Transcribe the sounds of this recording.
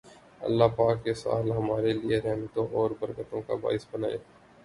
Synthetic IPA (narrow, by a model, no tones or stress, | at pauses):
ɐ̰lːaɦpaːkːesa̰ːlɦɐmaːɾelieɾɛɦmət̪õʔɔːɾbəɾkət̪õka̰ba̰ːɪsbənaːḛː